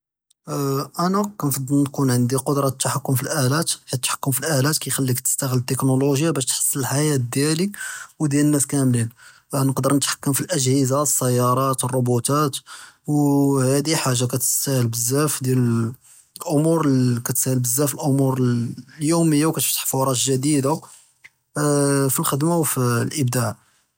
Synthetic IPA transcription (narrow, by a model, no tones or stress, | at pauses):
ʔænækænfɑd̪ˤːəlnkunʕənd̪iqod̪ɾˤɑt̪ːaħakːʊmfilʔælæt̪kit̪ħḁkːʊmfilʔælæt̪kæjxælːikt̪ə̥st̪æɣəlt̪ːeknoloʒjabæʃt̪ħə̥sˤːələlħajæt̪̚d̪jæliwd̪jælənːæskæmlin | nəqd̪əɾnət̪ħḁkːəmfilʔəʒhəzasːæjːɑɾˤɑt̪ərˤːobut̪æt̪whæd̪iħaʒːakæt̪əsæhəlbəzːæfd̪jælə | lʔomuɾkæt̪sæhəlbəzːæfəlʔomuɾljuməjːawkæt̪ft̪ːə̥ħfuɾˤɑt̪ʒəd̪id̪a | filxəd̪mawfilʔəb̚d̪aʕ